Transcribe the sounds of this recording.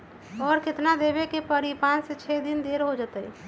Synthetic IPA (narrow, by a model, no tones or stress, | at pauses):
ɔːɾkɪt̪nad̪ebekepəɾipãnset͡ʃʰɛd̪ind̪eɾɦod͡ʒət̪əj